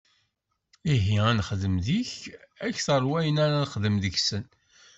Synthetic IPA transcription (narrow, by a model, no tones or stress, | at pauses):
iɦiænχðəmðiçæçθəɾˤwæjənaɾanχðəmðəçsən